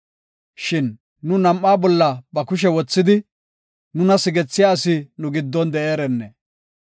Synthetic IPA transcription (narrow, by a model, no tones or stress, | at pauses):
ʃɪnː | ʊnɐmʔːaːbɔlːɐbɐkʊʃ̬ɛwɔt͡sːɪd̪ɪ | nʊnɐsɪɡɛt͡sːɪjaːsɪnʊɡɪd̪ːɔnd̪ɛʔeːɾɛnːɛ